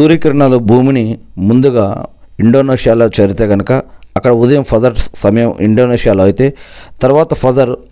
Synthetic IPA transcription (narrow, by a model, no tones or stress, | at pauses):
uːɾiːkɐɾɐɳaːlobʱuːminimund̪uɡaː | iɳɖoːneːʂijaːloːt͡ʃɐɾit̪eːɡɐnɐkɐɐkːɐɽɐud̪ɐjɐmpʰɐzɐɾsɐmɐjɐmḭɳɖoːneːʂijaːloːɐjit̪e̞ːt̪ɐɾuʋaːt̪ɐpʰɐzɐɾ